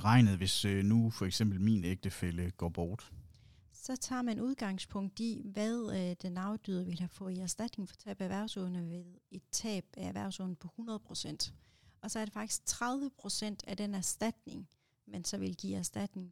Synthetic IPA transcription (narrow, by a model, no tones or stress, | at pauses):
ʁɑ̈ɪ̰nð̞̩ˠʋe̝snufɒ̽eɡ̥sem̰b̥l̩miːneɡ̥̚d̥əfeləɡ̥ɒ̰ːb̥ɒːd̥ | sɒ̽t͡sʰɑ̰̈ːmænuð̞ˠɡ̥ɑ̈ŋspʰɔ̽ŋ̰d̥iʋæðˠd̥enɑ̈ʊd̥yðˠɐʋe̝lhæfɔ̽ːiæɐsd̥æd̥ne̝ŋfɒ̽t͡sʰɛ̰ːb̥ææʋæɐ̰ʊ̰sɔðˠnəʋe̝ðˠe̝d̥̚t͡sʰɛ̰ːb̥ææʋæɐ̰sɔ̽n̩əpʰɒ̽hunɐð̞̩ˠpʰʁo̝sen̰d̥ɒ̽sɒ̽æɐɾ̥e̝fɑ̈ɡ̥d̥i̥sɡ̥̚t͡sʰʁað̞ˠʋəpʰʁo̝sen̰d̥æd̥enæɐsd̥æd̥ne̝ŋ | mensɒ̽ʋe̝lɡ̥ḭːæɐsd̥æd̥ne̝ŋ